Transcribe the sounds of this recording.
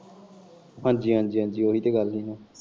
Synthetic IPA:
ɦãːɲd͡ʒiːɦãːnd͡ʒiːɦãːnd͡ʒiːoːɦiːt̪eːɡəlɦiːnãː

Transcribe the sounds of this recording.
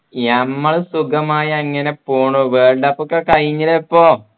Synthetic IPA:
ɐmːɐɭsuɡɐmaːjɐɐŋːɐne̞poːɳoʋeːɳɖɐpːokːekɐɻiɲːilepːoː

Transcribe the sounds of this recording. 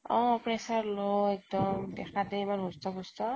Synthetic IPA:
ɔ̰̃pɹɛsaɹloɛk̚dɔmdɛkʰadɛimanɦustɔbustɔ

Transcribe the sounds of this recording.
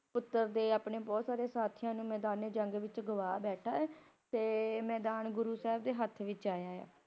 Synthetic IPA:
pʊt̪ːəɾd̪eːaːpɳeːbɔːt̪saːɾeːsaːt̪ʰijãːnũːmɛːd̪aːneːd͡ʒəŋɡʋɪt͡ʃɡʊʋaːbɛːʈʰaːɛːt̪eːmɛːd̪aːnɡʊɾuːsɛːbd̪eːɦət̪ʰʋɪt͡ʃaːjaːja̰ː

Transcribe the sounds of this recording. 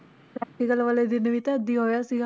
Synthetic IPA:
pɾɛk̚ʈikəlʋəled̪inəʋit̪ɛəd̪iːɦoːjasiɡa

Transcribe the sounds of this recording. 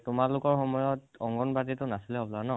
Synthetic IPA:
tʊmalʊkɔɹxɔmɔjɔtɔŋɡɔnbat̬itʊnasilɛɦɔblanɔ

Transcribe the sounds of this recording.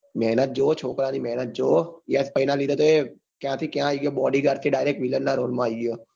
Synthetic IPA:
mɛːnət̪̚d͡ʒoːt͡ʃʰoːkɾãːniːmɛːnət̪̚d͡ʒoːjɛspəɪnãːlid̪oːt̪oeː | kjãːt̪ʰiːkjãːiɡjoːbɔːɖiɡəɾt̪ʰeɖaːɪɾeːk̚ʈʋilənnaːɾoːlmãːiɡijoː

